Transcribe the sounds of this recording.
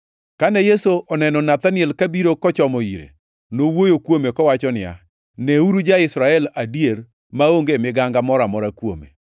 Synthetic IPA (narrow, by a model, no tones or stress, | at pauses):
kanɛjesoʔɔnɛnɔnat̪anɪɛlkabiɾokɔt͡ʃɔmɔiɾḛ | nowojokwomekɔwat͡ʃɔnɪja̰ | nɛuɾud͡ʒaɪsɾaɛladijeɾ | maoŋɡemɪɡaŋɡamɔɾamɔɾakwo̰mḛ